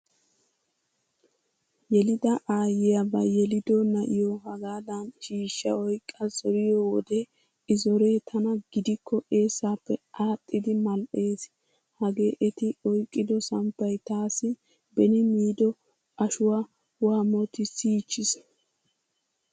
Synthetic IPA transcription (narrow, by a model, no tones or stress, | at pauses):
jɛlɪd̪ɐʔaːjɪjɐbɐjɛlɪd̪ɔnɐʔɪjɔhɐɡaːd̪ɐnʃiːʃːɐɔjkʼːɐzɔɾɪjɔwɔ̰d̪e | ɪzɔɾe̞ːt̪ʰɐnɐɡɪd̪ɪkʰːɔʔe̞ːsːaːpːɛʔaːt̪ʼːɪd̪ɪmɐlʔe̞ːs | hɐɡe̞ːʔɛt̪ɪɔjkʼːɪd̪ɔsɐmpːɐjt̪aːsɪ | bɛnɪmiːd̪ɔ | ʔɐʃʊwaː | waːmɔt̪ɪsiːt͡ʃːɪs